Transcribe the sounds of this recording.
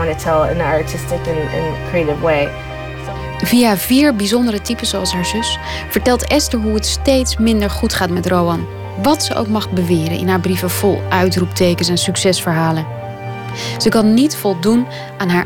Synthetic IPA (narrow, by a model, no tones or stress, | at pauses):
ɑ̃nətʰɛlˠə̰̃nəətʰɪstɪkɪ̃nɪ̰̃nkʰɹ̥ieɪɾɪvweɪ | s | vijaviːɹbizɔndəɾətipəszoɑlˠsɦaːɹzʏs | fəɹtɛlˠtɛstəɹɦuətstejtsmɪndəɹχutχaːtmɛtrowɑn | ʋɑtsəʔo̰wkmɑχbəʋɪːɾə̰nʔɪ̰nɦaːɹbrivəv̥ɔlˠʔœɥtrup̚tejkənsɛnsyksɛsfəɹɦaːlən | z̥əkɑnːitfɔlˠdun | ʔaːnɦaːɹ